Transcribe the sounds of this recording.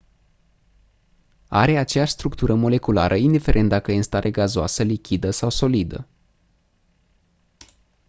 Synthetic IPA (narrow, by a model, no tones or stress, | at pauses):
a̰ɾe̞at͡ʃejaʃʲst̪ɾukt̪uɾəmo̞le̞kula̰ɾʔəind̪ife̞ɾe̞nt̪d̪akəinst̪aɾʔeɡazoa̰səlikʲid̪əsawso̞lid̪ə̰